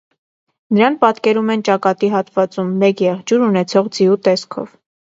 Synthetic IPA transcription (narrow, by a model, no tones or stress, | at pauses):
nəɾɑnpɑt̪kɛɾumɛnt͡ʃɑkɑt̪iɦɑt̪vɑt͡sumːɛkjɛʁd͡ʒuɾunɛt͡sʰɔʁd͡ziut̪ɛskʰɔ̰v